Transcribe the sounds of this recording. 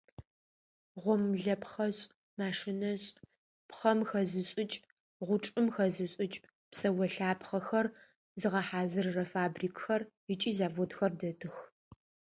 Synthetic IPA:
ʁʷʊmɮɐpχɐɕʼ | maːʂɪnɐɕʼ | pχɐmxɐzɨɕʼɪt͡ʃʼ | ʁʷʊʈ͡ʂʼɨmxɐzɨɕʼɪt͡ʃʼ | psɐwɐɬaːpχɐxɐr | zɨʁɐħaːzɨrːɐfaːbriːkʼxɐr | ɪt͡ʃʼiːzaːvotxɐrdɐtʰɨx

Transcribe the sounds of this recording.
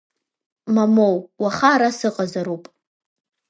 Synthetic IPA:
mamowwaχaːɾasɨqʼazaɾupʼ

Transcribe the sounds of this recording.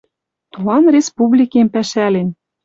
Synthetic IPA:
t̪olɑnrʲespublʲikempæʃælen

